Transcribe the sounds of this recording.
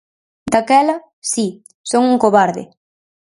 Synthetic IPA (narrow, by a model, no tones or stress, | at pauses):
d̪akɛlɐ | si | soŋuŋkoβaɾðɪ̰